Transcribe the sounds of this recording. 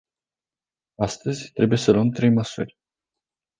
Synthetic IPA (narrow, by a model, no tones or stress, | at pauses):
ast̪əzʲt̪ɾe̞bujesəluəmt̪ɾe̞jməsṵrʲ